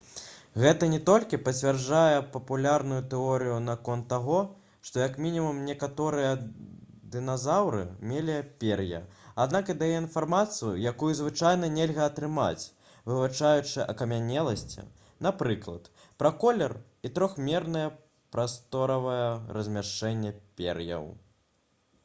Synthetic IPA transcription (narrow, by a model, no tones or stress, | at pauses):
ɣɛt̪ɐnʲɛt̪ɔlʲkʲipɐt͡sʲvʲarajɛpɐpulʲarnujut̪ɛɔɾɨjunakɔnt̪ːaɣɔ | ʂt̪ɔjɐkmʲinʲimumnʲɛkat̪ɔɾɨjɛ | d̪ɨnazawɾɨ̰mʲelʲipʲɛrjɐ̰ad̪nakɨd̪ajɛinfarmat̪sɨjṵjakujuzvɨt͡ʂajn̪ɐnʲɛlʲɣɐːt̪ɾɨma̰t͡sʲ | vɨvat͡ʂajut͡ʂɨʔɐkɐmʲanʲɛlˠɐsʲt͡sʲḭ | napɾɨklˠɐt̪ | pɾɐkɔlʲɛr | it̪ɾɔxmʲɛrnɨjɐ | pɾast̪ɔɾɐvɐjɛɾɐzʲmʲaʂt͡ʂɛnʲːɛpʲɛ̰ɾjɐ̰w